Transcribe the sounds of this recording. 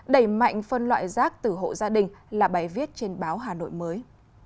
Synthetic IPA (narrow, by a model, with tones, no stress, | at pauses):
ɗə˧˩jma̰˧˨jŋ̟fə˧nlwa̰ː˧˨jzaː˦˥k̚t̪ɨ˨˩ɦo̰˧˨zaː˧ɗï˨˩ŋ̟laː˨˩ɓaː˨˦jvi˦˥ət̚t͡ɕe˧nɓaː˨˦wɦaː˨˩no̰˧˨jməː˨˦j